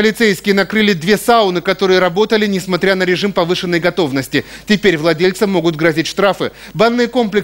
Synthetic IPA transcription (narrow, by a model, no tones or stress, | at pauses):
əlʲɪt̪sejskʲɪjənɐkɾɨlʲɪd̪vʲe̞saʊnɨkɐt̪o̞ɾɨjəɾɐbo̞t̪əlʲɪnʲɪsmɐt̪ɾʲanəɾʲɪʐɨmpɐvɨʂɨnːəjɡɐt̪o̞vnəsʲtʲɪtʲɪpʲeɾʲvlˠɐdʲelʲt̪sɨmo̞ɡʊt̪̚ɡɾɐzʲitʲʂt̪ɾafɨ | banːɨjəko̞mplʲɪ